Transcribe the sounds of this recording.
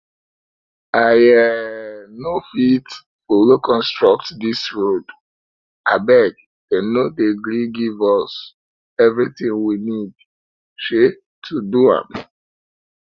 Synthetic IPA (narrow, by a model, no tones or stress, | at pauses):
ajɛ | nofit | folokʰɔ̃nstɹɔk̚tdisɹod | abɛɡ | ɛ̃nːodeɡɾiɡivɔs | ɛvɹitĩŋwinid | ʃe | tʰuduã̰m